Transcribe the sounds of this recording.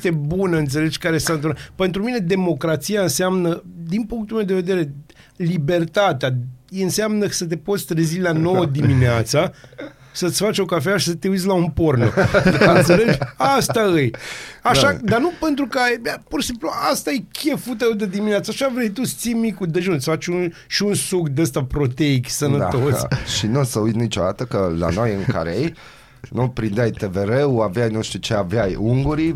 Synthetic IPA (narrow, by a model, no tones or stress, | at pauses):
t̪e̞bunəɨnt̪se̞le̞d͡ʒkaɾesaɨnt̪ɨnape̞nt̪ɾumine̞d̪e̞mo̞kɾat̪sijaɨnseamnəd̪inpuŋk̚t̪ulme̞wd̪eve̞d̪e̞ɾe̞ | libe̞rt̪at̪eaɨnseamnəsət̪e̞po̞t̪sʲt̪ɾezilano̞wəd̪iminea̰t̪sa | sət̪sʲfat͡ʃʲo̞kafeaʃi̥sət̪eut̪s̬ʲlaumpo̞rno̰ɨnt̪sele̞d͡ʒʲast̪aɨjaʃad̪anupe̞nt̪ɾukəabaporʃsimpluast̪ajekʲʰe̞fut̪əed̪ed̪imineat̪səaʃavɾejt̪usə̥t̪simikud̪eʒunt̪sʲfat͡ʃʲun | ʃiunsukd̪est̪apɾo̞t̪eiɡʲsənəat̪o̞sʃinusəujt̪nit͡ʃo̞d̪at̪əkəla̰nojɨŋka̰ɾej | nupɾind̪eajt̪eveɾewaveajnuʃt̪ut͡ʃeaveajuŋɡuɾi